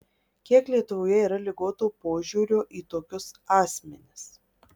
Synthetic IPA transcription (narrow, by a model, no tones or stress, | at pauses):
kʲiɛklʲiɛt̪ʊʋoːjɛiːɾɐlʲɪɡoːt̪oːpoːʒʲuːɾʲoːʔiːt̪oːkʲʊsɑːsʲmʲɛnʲɪs